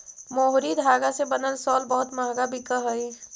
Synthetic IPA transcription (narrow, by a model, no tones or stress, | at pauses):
moːɦɾid̪ʱaːɡasebɐnəlsɔːlbɔːʊt̪maːɡabʱɪkəɦəi